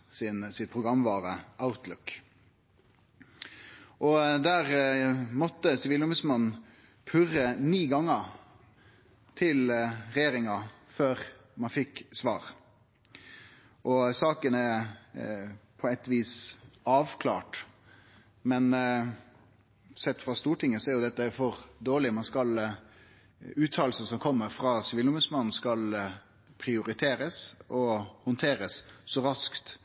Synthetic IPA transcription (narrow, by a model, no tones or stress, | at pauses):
sɪnsɪt̪̚pʰʁʊɡɾɑmːʋɑːɾəʔaʊt̪ʰlʊk | ʔɔd̪æːʁmɔt̪ːəsɪʋiːlʊməsmɑn | pʰʉɾəniːɡɑŋːə | t̪ʰɪlʁɛjeːɾɪŋɑ | føːɾ | mɑnfɪksʋɑ̰ːʁ | ʔɔsɑːkənɛ | pʰɔɛt̪ːʋiːsɑːʋkʰlɑ̰ːʈ | mɛn | sɛt̪ːfɾɑst̪uːʈʰɪŋːəsɔæɾjʊd̪ɛt̪ːəæfɔʁd̪oːɭɪmɑnskɑl | ʉːt̪ʰɑːlsəsɔmkʰɔmːəɾfɾɑːsɪʋilʊmbʉsmɑnn̩skɑl | pʰɾɪʊɾɪt̪ʰeːɾəsʔɔhʊnt̪ʰeːɾəssɔɾɑskt̪